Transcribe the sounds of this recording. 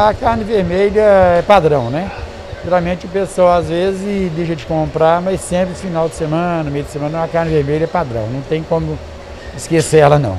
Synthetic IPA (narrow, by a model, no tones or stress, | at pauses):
ɐkaɾnɪveɾmeʎɐɛpad̪ɾɐ̃w̃nɛ | ʒ̥ɛɾawmẽt͡ʃɪʊpesowazvezɪzɪd̪ejʃɐd͡ʒɪkõmpɾaɾmɐjsːẽpɾɪʊfinawd͡ʒɪsemɐ̃nɐʊmejd̪ɪsemɐ̃nɐ̃akaɾnɪveɾmeʎɐɛpad̪ɾɐ̰̃w̃nɐ̃w̃t̪ẽj̃kõmʊ | ɪskeseɛlɐnɐ̰̃w̃